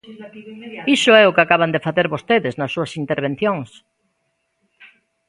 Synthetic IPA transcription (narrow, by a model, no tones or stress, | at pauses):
isʊɛʊkakaβand̪efaθeɾβost̪eðɪznɐsːuɐsint̪eɾβ̞ẽn̟θjoŋs